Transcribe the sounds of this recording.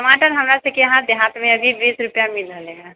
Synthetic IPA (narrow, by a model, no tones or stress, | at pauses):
səmaːʈənɦɐmɾasekeɦãd̪eɦãːt̪mẽɐɡʱibiːsɾʊpjamɪləleɦɛ̃ː